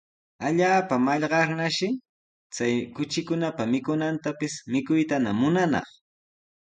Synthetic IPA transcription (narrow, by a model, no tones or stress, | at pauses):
aʎaːpamɑʎɢɑɾnaʃɪ | t͡sajkʊt͡ʃɪkʊnapamɪkʊnant̪apɪsmɪkʊjt̪anamʊnanɑ̰χ